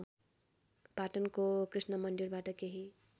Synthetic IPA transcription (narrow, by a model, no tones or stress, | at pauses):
paʈʌnkokrisnʌmʌnd̪iɾbaʈʌkeɦi